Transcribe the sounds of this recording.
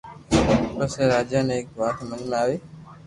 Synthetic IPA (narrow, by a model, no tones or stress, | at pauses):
pəseɾaːd͡ʒjaːnẽːk̚ʋaːt̪mə̃nmẽaːʋeː